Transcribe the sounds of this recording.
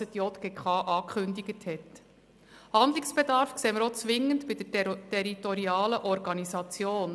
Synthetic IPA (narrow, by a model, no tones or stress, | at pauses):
ət̪jɔt̪ɡ̥ekʰχɑːʔɑːkʰχʏndiɡəthɛt | hɑnd̪liksb̥ɛdɑɾfkseːməɾot͡sʋɪŋːəntbid̥ətɛɾitɔɾiɑːləʔɔɾɡɑnisɑt͡sjoːn